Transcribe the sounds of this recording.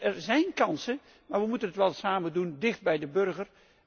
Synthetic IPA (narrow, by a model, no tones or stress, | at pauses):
ɛɹzɛjnkɑnsə | maːɹʋəmutənɦətʋɛlˠsaːməndundɪχd̚bɛjdəbɵɹχər